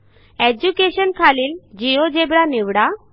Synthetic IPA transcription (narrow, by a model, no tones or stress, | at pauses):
ɛd͡ʑukeɕɔnkʰalild͡ʑiod͡ʑebɽaniwɽa